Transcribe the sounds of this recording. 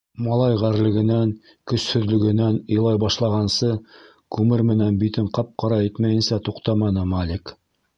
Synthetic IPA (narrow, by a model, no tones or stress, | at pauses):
mɑlˠɑjʁæɾlɘ̆ɡɘ̆næŋ | kɵ̆shɵ̆ðlɵ̆ɡɘ̆nænɤ̆jlˠɑjbɑʃlˠɑʁɑnsɤ | kʉmɘɾmɘ̆nænbit̪ɘɴqɑp̚qɑɾɑit̪mæjɘ̆nsæt̪uqt̪ɑmɑnɤmɑlʲik